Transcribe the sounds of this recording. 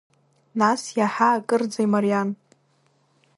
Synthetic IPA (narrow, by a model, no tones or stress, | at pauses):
nasjaħaːkʼɨrd͡zajmarijan